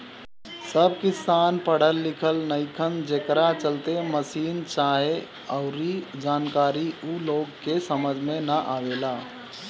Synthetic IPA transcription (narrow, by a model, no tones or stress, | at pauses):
səb̚ʱkɪsaːnpəɽ̤əlːɪkʰəlnəɪkʰənd͡ʒekɾat͡ʃəlt̪eməsiːnt͡ʃaːɦe | əʊɾid͡ʒaːnkaːɾiuloːɡkesəməd͡ʒʱmẽnəʔawela